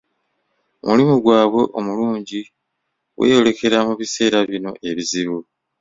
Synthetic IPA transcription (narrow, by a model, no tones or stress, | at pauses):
mulimuɡwaːβwe̞ʔomuluːɲɟi | we̞̰ːjo̞le̞ke̞ɾamuβise̞ːɾaβino̞ʔe̞βiziβu